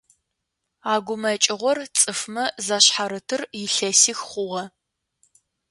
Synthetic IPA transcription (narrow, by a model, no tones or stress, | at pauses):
aːɡʷʊmɐt͡ʃʼɪʁʷɔrt͡sʼɨfmɐzaɕħaɾɨtʰɨrjɪɬɐsiːxχʷʊʁɐ